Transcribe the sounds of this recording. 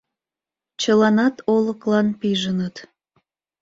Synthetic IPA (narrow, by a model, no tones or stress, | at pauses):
t͡ɕəlɑnɑt̪oləklɑnpiʒənət̪